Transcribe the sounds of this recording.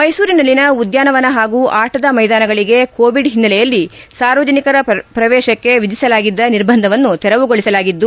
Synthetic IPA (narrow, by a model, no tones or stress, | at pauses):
mɐjsuːɾinɐlːinɐud̪jaːnɐʋɐnɐɦaːɡuːʔaːʈɐd̪ɐmɐjd̪aːnɐɡɐɭiɡe̞koːʋiɖɦinːɐlɛjɐlːisaːɾʋɐd͡ʒɐnikɐɾɐpɾɐʋɛːʃɐkːe̞ʋid͡ʒisɐlaːɡid̪ːɐniɾbʱɐnd̪ʱɐʋɐnːut̪ɛɾɐʋuɡoɭisɐlaːɡid̪ːu